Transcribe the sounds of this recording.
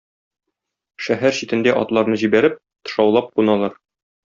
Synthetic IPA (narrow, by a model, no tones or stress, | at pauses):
ʃæɦæɾɕit̪ɘ̆nd̪æʔɒ̰t̪lˠɑɾnɤʑibæɾɘp̚ | t̪ɤ̥̆ʃɑwlˠɑp̚qunɑlˠɑɾ